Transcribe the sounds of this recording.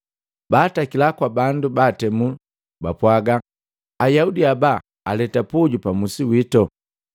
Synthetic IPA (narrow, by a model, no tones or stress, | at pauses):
baːtakilakwabandubatɛmu | bapwaɡa | ajaudiaba | alɛtapuɟupamusiwitɔ